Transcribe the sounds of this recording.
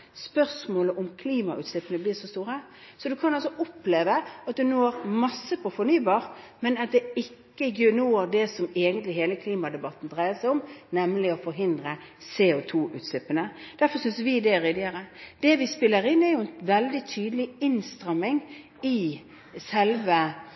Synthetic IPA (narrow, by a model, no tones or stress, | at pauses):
spœʁsmoːləʔɔmkʰliːmɑʔʉ̰ːt̪slɪpːənəbliːʂɔst̪uːɾəsɔd̪ʉkʰɑnɑlsɔʔɔpleːʋəɑt̪̚d̪ʉnoːɾmɑsːəpʰɔfɔɾnyːbɑːɾ | mɛnɑt̪̚d̪ɛɪkːəɡønoːd̪ɛsɔmeːɡənt̪lɪɦeːləkʰliːmɑd̪ɛbɑt̪ːn̩d̪ɾæɪəsæɪɔmnɛmːlɪɔfɔɾɦɪnd̪ɾə | sɛʊt̪ʰuːʔʉ̰ːt̪slɪpːənəd̪̥æɾfɔɾsʏnsʋɪd̪ɛɾɪd̪ɪəɾəd̪̥ɛʋɪspɪlːəɾɪnɛɾjʊɛnʋɛld̪ɪt̪ʰyːd̪əlɪɪnst̪ɾɑmːɪŋ | ɪ | sɛlʋə